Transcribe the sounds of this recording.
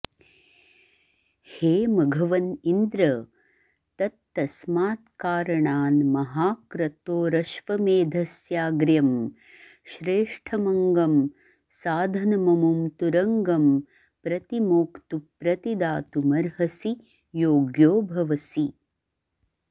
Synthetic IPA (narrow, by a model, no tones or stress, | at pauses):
heːmɐɡʱɐʋɐnind̪ɾɐ | t̪ɐt̪ːɐsmaːt̪kaːɾɐɳaːnmɐɦaːkɾɐt̪oːɾɐʃʋɐmeːd̪ʱɐsjaːɡɾjɐm | ʃɾeːʂʈʰɐmɐŋɡɐm | saːd̪ʱɐnɐmɐmumt̪uɾɐŋɡɐm | pɾɐt̪imoːkt̪upɾɐt̪id̪aːt̪umɐɾɦɐsi | joːɡjoːbʱɐʋɐsi